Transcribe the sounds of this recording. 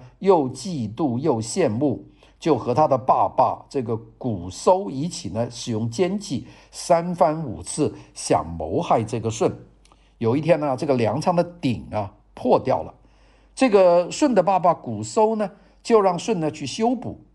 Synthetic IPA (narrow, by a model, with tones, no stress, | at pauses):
jo˥˧ʊt͡ɕi˥˧t̪u˥˧jo˥˧ʊɕjɛ˥˧nmu˥˩ | t͡ɕjo˥˩ʊxɤ˧˥t̪ʰa˥d̪ə˨pa̰˥˧pa̰˥˧ʈ͡ʂɤ˥˩ɡə˩ku˨˩so˥ʊi˧˥t͡ɕʰi˨˩nə˦ʂɻ̩˨˩jʊ˥˩ŋt͡ɕjɛ˥nt͡ɕi˥˩ | sa˥nfa˥nṵ˨˩t͡sʰɹ̩˥˩ɕjɑ̰˨˩ŋmo̰˧˥ʊxa˥˧ɪʈ͡ʂɤ˥˩ɡə˩ʂwə˥˩n | jo˨˩ʊi˥˩t̪ʰjɛ˥nɐ˧ʈ͡ʂɤ˥˩ɡə˩ljɑ˧˥ŋʈ͡ʂʰɑ˧˥ŋd̪ə˧t̪i˨˩ŋɐ˦ | pʰwɔ˥˧t̪jɑ˥˩ʊlə̰˩ | ʈ͡ʂɤ˥˩ɡə˩ʂwə˥˩nd̪ə˩pa˥˧pa˥˩ku˨˩so˥ʊnə˨ | t͡ɕjo˥˧ʊɻɑ˥˧ŋʂwə˥˩nnə˩t͡ɕʰy˥˩ɕjo˥ʊpṵ˨˩˦